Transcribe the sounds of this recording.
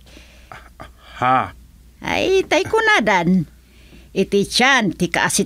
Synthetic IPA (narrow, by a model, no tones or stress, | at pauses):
ha | a̰jt̪ajkʊnadan | it̪it͡ʃant̪ikaʔasi